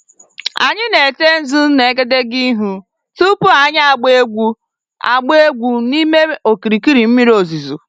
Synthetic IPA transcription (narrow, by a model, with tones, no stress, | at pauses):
a̰˨ɲɪ˦ne˨te˦n̩˦zu˦n̩˦ne˨˦ɡe˦de˦ɡi˦ɦu˦ | tu˦pʊ˦a˨ɲ˦a˨ɡ͡be˦e˦ɡʷu˦ | a̰˨ɡ͡be˦ɡʷu˨ni˦me˦o˨ki˨ɾi˨ki˦ɾi˨m̩˦mi˦ɾi˦o˨zi˨zu˨